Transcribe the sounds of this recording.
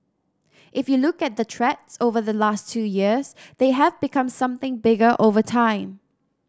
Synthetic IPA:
ʔɪfjulʊkɛt̚d̪ətʰɹɛtsovəðəlastʰujiəsðeɦɛvbɪkʰʌ̃msʌ̃mθɪ̃ŋbɪɡəʔovətʰãɪ̃m

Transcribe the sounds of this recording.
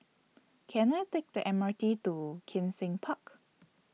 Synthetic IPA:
kʰɛ̃naɪtek̚dəʔɛ̃mətitukʰĩmsɪ̃ŋpʰak

